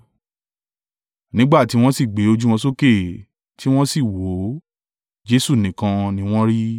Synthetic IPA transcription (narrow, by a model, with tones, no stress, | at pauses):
nĩ˨˦ɡ͡ba˦˨ti˨˧˦w̃ɔ̃˦si˦˨ɡ͡be˨˦o˧d͡ʒu˦w̃ɔ̃˧so˦ke˦˨ | tʰi˦w̃ɔ̃˦si˦˨wo˨˦ | d͡ʒe˦su˦˨nĩ˨kã˧nĩ˦w̃ɔ̃˦ɾi˦